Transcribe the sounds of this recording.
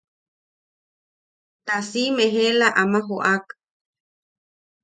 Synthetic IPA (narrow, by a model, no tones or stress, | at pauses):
t̪asimeɦelaʔamãɦoʔak